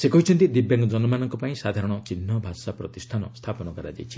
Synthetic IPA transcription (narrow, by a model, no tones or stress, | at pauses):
sekɔɦit͡ʃʰɔnt̪id̪ibjaŋɡɔd͡ʒɔnɔmanɔŋkɔpaĩsad̪ʱaɾɔɽ̃ɔt͡ʃinɦːɔbʱasapɾɔt̪ist̪ʰanɔst̪ʰapɔnɔkaɾad͡ʒa̰jt͡ʃʰi̥